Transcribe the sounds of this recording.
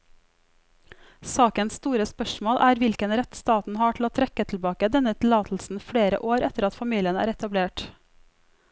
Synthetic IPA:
sɑːkənsst̪uːɾəspœʃmoːlʔæːɾʋɪlkənɾɛt̪st̪ɑːt̪n̩hɑːʈʰl̩oːt̪ʰɾɛkət̪ʰl̩bɑːkəd̪ɛnət̪ʰl̩ɑːt̪ʰl̩sn̩fɽeːɾə̰ʔoːɾɛt̪əɾɑt̪fɑmiːlɪənæ̰ːɾɛt̪ɑbleːʈ

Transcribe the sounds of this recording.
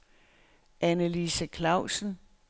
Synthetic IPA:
ʔænəlisəkʰlɑ̈ʊ̰sn̩

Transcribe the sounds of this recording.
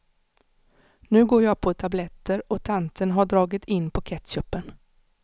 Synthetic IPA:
nʉ̟ːɡoːɾjɑɡ̚pʰɔt̪ʰablɛt̪ːəɾɔt̪ʰant̪ʰənɦaɖɾɑːɡɪt̪ʰɪnːpʰɔkʰɛt̪ɕœpːən

